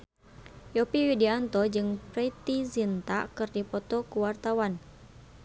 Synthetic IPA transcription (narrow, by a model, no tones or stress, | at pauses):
jɔpiwidiant̪ɔd͡ʒɨŋpɾɛt̪izint̪a̰ʔkɨrdipɔt̪ɔkuwart̪awan